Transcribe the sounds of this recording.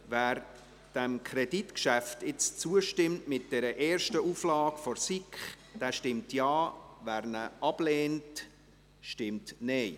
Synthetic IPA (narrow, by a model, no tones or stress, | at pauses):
væːɾ | d̥ɛmkʰɾɛditkʃæftɪt͡st͡suəʃtɪmtmɪt̚d̥ɛɾəʔɛːrʃtəuflɑːɡ̥fɔɾsikχ | d̥æːʃtɪmtjɑːvæːɾnəʔɑb̥leːnt | ʃtɪmtnɛɪ